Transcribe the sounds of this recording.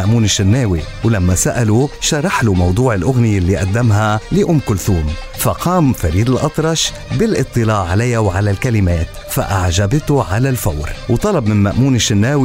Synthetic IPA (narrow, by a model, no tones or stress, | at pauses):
aʔmuːnɪʃːɪnːeːwiwlamːasaʔaluʃɑɾˤɑħlumɑwd̪ˤuːʕɪlʔʊɣnijɪlːiʔad̪ːamɦaliʔʊmːkʊlθuːmfaqʰɑːmfaɾiːd̪ɪlʔɑt̪ˤɾˤɑʃ | bɪlʔɨt̪ˤːɨlɑːʔʕalajːawʕalalkalɪmeːt̪ | fa̰ʔaʕʒabɪt̪uʕalalfawɾwt̪ˤɑlɑbmɪnmaʔmuːnɪʃːɪnːeːwi